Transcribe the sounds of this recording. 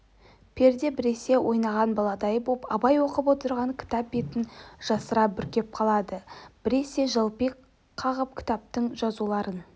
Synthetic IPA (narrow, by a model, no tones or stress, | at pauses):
pʰe̞ɾd̪e̞bɪɾe̞se̞wʔo̞jnɑʁɑnbɑlˠɑd̪ɑjəbopɑ̰bɑjwo̞qəpwo̞t̪əɾʁɑŋkʲʰɪ̥t̪ɑp̚be̞t̪ɪnʒ̥ɑsəɾɑbʏɾkʲe̞p̚qʰɑlˠɑd̪əb̥ɪɾe̞se̞ʒəlˠpijk | qʰɑʁəp̚kʲʰɪ̥t̪ap̚t̪əɴʒɑzulˠɑɾən